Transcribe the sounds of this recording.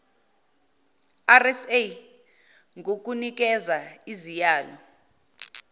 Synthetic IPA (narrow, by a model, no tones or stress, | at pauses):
arɛse | ŋɡʱok̬ʼunik̬ʼɛzaizijaːlɔ